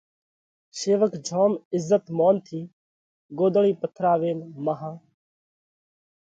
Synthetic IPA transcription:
seːʋəkd͡ʒʱoːmɪzːət̪moːnt̪ʰiː | ɡoːd̪əɭiːpət̪ʰɾaːʋeːnmaɦãː

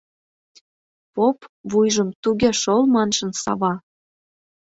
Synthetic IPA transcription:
popvujʒəmt̪uɣʲeʃolmɑnʃə̆nsɑ̰βɑ

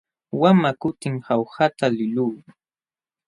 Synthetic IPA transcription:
wamakʊt̪ɪŋhawhat̪alɪluː

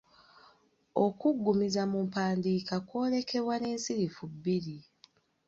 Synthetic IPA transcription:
okuɡːumizamumpaːndiːkakwo̞ːle̞ke̞βwaneːnsiɾifubːiɾi

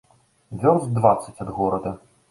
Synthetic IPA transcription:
vʲɔrzd̪vat̪sɐt͡sʲɐd̪ɣɔɾɐd̪ɐ

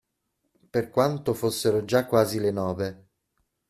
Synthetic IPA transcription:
perkwant̪ofosːeɾod͡ʒakːwaːzilenɔːve

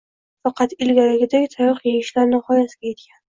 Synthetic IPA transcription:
fɑqʰɑt̪ɪlɡʲaɾɪɡʲɪd̪akʲt̪ʰajɒqjeɡʲɪʃlaɾnɪχɒjasɪɡʲaje̞t̪kʲan

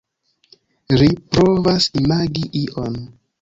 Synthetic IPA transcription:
lipɾovasmaɡiʔiʔon

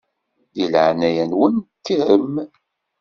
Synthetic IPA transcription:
jilʕnæjænwənt̪ːihəm

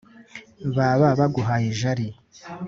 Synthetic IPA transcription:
βaβaβaɡuɦajiʒaɾi

